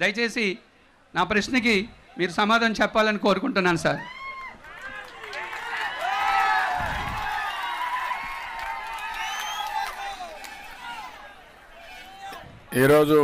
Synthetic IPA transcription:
d̪ɐjɐt͡ʃe̞ːsi | naːpɾɐʃnɐk̬i | miːɾusɐmaːd̪ʱɐnt͡ʃɛpːaːlɐniko̞ːɾukuɳʈunːaːnusaːɾ | iːɾo̞ːd͡ʒu

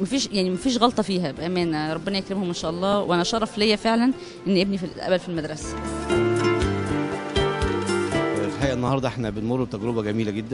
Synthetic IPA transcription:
mæfiːʃjaʕnimæfiːʃ̬ɣɑlt̪ˤɑfiːɦæbʔæmæːnɾˤobːenɑjekɾemhomʔenʃæːʔɑlˤːɑːwʔænæʃɑɾˤɑflejːæfeʕlæn | ʔenːʔebnifilʔæ̰bælfilmæd̪ɾˤɑsæ̥ | lħħajʔæʔenːɑhɑːɾd̪ɑʔeħnæbenmorˤːut̪æɡɾebæɡæmiːlæɡed̪ːæ

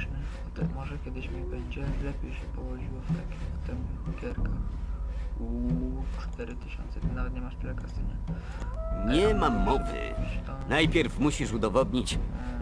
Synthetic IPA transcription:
mɘɔt̪ɛmɔʐɛkʲjɛd̪ɘɕmʲibɛɲd͡ʑɛlɛpʲjejɕɛpɔwɔʑiwɔft̪akʲibɔt̪ɛmɡʲɛɾka | ut͡ʂt̪ɛɾɘt̪ɘɕɔ̰̃nt̪sɛt̪ɪnavɛt̪ɲɛmaʂt̪ɘlɛkasɘɲɛ | ɲɛmamːɔvɘ̰t̪ɔnajpʲjɛɾfmuɕiʂud̪ɔvɔd̪ɲit͡ɕ

